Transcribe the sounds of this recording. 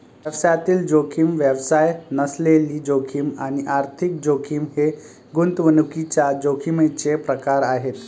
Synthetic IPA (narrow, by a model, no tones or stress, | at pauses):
ʋjəʋsajat̪iːld͡ʑokʰimʋjəʋsajnəsleliːd͡ʑokʰiːma̰ñiʔaɾt̪ʰik̚d͡ʑokʰimhe | ɡunt̪ʋənukit͡ɕad͡ʑokʰimət͡ɕepɾəkaɾaɦet̪